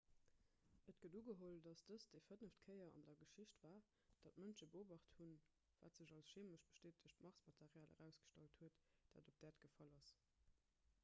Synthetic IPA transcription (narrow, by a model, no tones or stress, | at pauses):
ʔət̚ɡ̥əduːɡəɦoldɑsd̥əsd̥efədnəftkʰəɪɐɑ̰ndɐɡəʃiɕtv̥aː | d̥ɑt̚mənʃəbəoːbɑχtthun | vaːtz̥əʑɑlsʃeːməʃb̥ə̥ʃteːt̚əɕtmɑʁsmɑtʰeʁjaːlə̰ʁæʊsɡ̥ə̥ʃtɑlthuətd̥a̰ːdop̚d̥æːtɡ̥əfɑlɑs